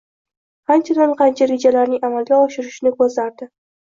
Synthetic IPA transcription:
ant͡ʃʰad̪anqʰɑnt͡ʃʰaɾe̞d͡ʒalaɾnɪŋamalˠɡʲaɒʃɪɾɪʃnɪkɵzlaɾd̪ɪ

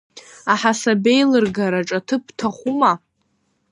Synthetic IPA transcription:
aħasabejlɨrɡaɾaʈ͡ʂʼatʰɨp̚ʰtʰaχʷuma

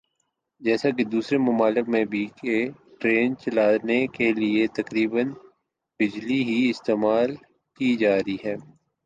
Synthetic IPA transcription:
d͡ʒɛːsak̬ed̪uːsɾemʊmaːlɪkmẽbʱiːkeʈɾeːnt͡ʃɐlaːnekeliet̪ɐkɾiːbən | bɪd͡ʒliɦiɪst̪eːmaːl | kid͡ʒaːɾiɦɛː

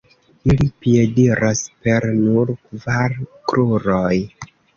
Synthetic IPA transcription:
ilipie̞diɾʔaspe̞ɾnuɾkvaɾkɾuɾoj

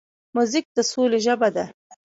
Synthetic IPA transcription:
muzɪk̚d̪̥əsoleʒəbad̪a

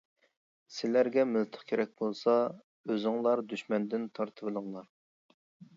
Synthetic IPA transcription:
sɪlæɾɡʲɛmɪlt̪ʰə̥χkʲʰeɾɛk̚ʲbolˠsɑ | øzɨŋlˠɑɾd̪yʃmɛnd̪ɪnt̪ʰɑɾt̪ʰɨbɨlˠɨŋlˠɑɾ

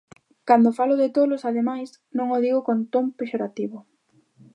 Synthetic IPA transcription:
kand̪ofalʊðɪt̪olosaðemajs | nõŋoðiɣʊkont̪ompeʃoɾat̪iβʊ

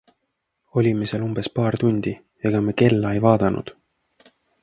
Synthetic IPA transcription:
o̞lʲimeselumb̥e̞spɑːrt̪unʲd̪̥i | eɡ̥ɑmeke̞lːɑejvɑːd̪ɑnʔṵd̪̥

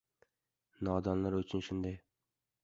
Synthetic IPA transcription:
nɑːd̪ɒnlaɾɵt͡ʃʰɪnʃʊnd̪aj

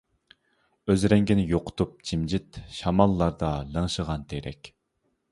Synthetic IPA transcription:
øzɾɛŋɡʲinɪjoqʰʊ̥t̪up̚t͡ʃʰimd͡ʒɪt̪ʃɑmɑlˠːɑɾd̪ɑlˠəŋʃəʁɑnt̪ʰeɾɛ̰kʲ

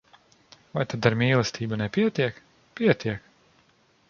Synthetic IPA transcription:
vajt̪ad̪aɾmʲiːlˠɛst̪ʰiːbunɛpʲiɛt̪iɛk | piɛt̪iɛk

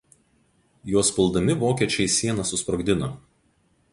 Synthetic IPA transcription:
joːspʲɪlˠd̪ɐmʲɪʋoːkʲiɛt͡ʃʲɛɪsʲiɛnɐsʊspɾɔɡd̪ʲɪnoː

